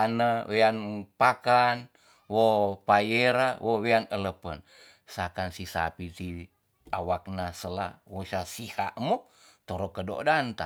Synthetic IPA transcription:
anəweanpakan | wopajeɾawʔoweanələpən | sakansisa̰pit̪i | awak̚nasəla̰wosasiha̰ʔmut̪oɾokədo̰dant̪a̰

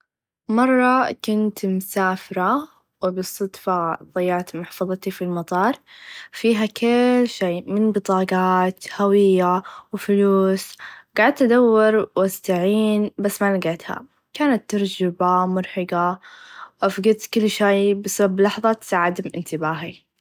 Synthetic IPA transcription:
mɑrˤːɑkʊnt̪mʊsaːfɪɾˤa | wɪbɨsˤɑd̪fɑðˤɑjːɑʕt̪mʊħfuːðˤɑt̪ifilmɑt̪ˤɑːɾˤfiːɦakʰɪlʃeːmɪnbɨt̪ˤɑːɡɑːt̪hawɪjːawfluːsɡ̥aːʕɪd̪̚t̪ad̪awːɪɾwast̪aʕiːnbasːmalaɡaːt̪ha̰ | kaːnat̪ːɑɾˤd͡ʒɪbamʊɾħɪɡa | ʔafɡɪt̪kɪlːʃeːbɪsabablɑħðˤɑt̪ɪ̥saːʕɪd̪mʔɪnt̪ɪbaːɦi

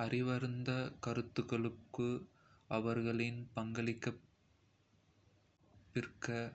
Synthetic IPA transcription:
ɐrɪʋɐɾɯnd̪ɐkɐɾɯt̪ːɯɣɐɭɯkːɯ | ɐʋɐɾɣɐɭɪnpɐŋɡɐɭɪkːɐ | pːɪrkɐ

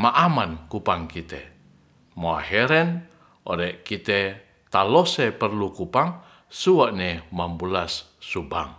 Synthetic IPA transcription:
maʔamankupaŋkit̪ɛ̰ | moa̰hɛɾɛn | o̰ɾɛʔkit̪ɛ | t̪alosɛpərlukupaŋ | suwaʔnɛmambulasː | uba̰ŋ

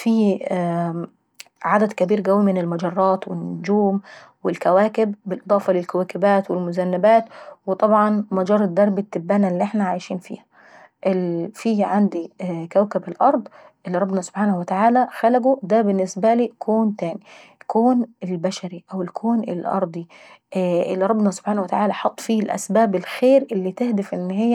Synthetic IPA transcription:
fiː | ʕad̪æd̪kæbiːɾɡæwːimɪnɪlmɑd͡ʒɑrˤːɑːt̪wɪnnːʊd͡ʒuːm | wɪlkæwæːkɪbːɪlʔɨd̪ˤɑːfɑlɪlkæwæːkɪbæːt̪wɪlmʊzænːæbæːt̪wɪt̪ˤɑbʕɑnmæd͡ʒɑːɾˤːɑd̪ːɑɾˤbɪt̪ːɪbːæːnælːiːʔeħnæʕajʃiːnfḭːhæ̥ | ʔɪlfiːʕand̪ikæwkabɪlʔɑɾˤd̪ˤ | ʔɪlːiɾˤɑbnɑsʊ̥b̥ħaːnahwɪt̪aʕaːlæxælæɡud̪æbɪnːɪsbæliːkʰoːnt̪æːni | kʰoːnɪlbæʃæɾiʔæwɪlkʰoːnɪ̰lʔɑ̰ɾˤd̪ˤi | ʔɪ̰lːiɾˤɑbːnɑsʊ̥b̥ħaːnwɪt̪aʕaːlæħɑt̪ˤːfiːlʔæ̰sbaːbɪlxeːɾʔɪlːit̪ɪhd̪ɪfʔɪnːhɪjːæ

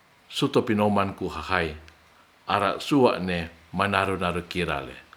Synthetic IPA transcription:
sut̪ɔpinomankuhahai | ʔaɾa̰ʔsuaʔnemanaɾunaɾukiɾa̰lɛ̰

